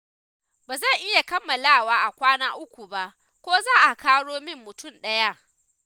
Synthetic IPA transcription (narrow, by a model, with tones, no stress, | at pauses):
baː˨zɐ˦˨ŋʔɪ˦ja˨kɐ˦mːɐ˨laː˦˨waː˦ʔa˨kʷaː˦naː˦ʔʊ˦kʷu˨ba˦˨ʔ | kʷoː˦zaː˦ʔa˨kaː˦ɽoː˦mɪ˦mːʊ˨tʊ˦˨mɗɐ˦ja˦ʔ